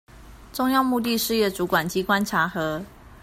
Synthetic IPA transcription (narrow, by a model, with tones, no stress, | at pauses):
ʈ͡ʂʊ˥˧ŋjɑ˥˧ʊmu˥˧t̪̬i˥˧ʂɻ̩˥˧jɛ˥˩t͡su˧˥kwa˨˩nt͡ɕi˧˥kwa˦˥nʈ͡ʂʰa˧˥xɤ˧˥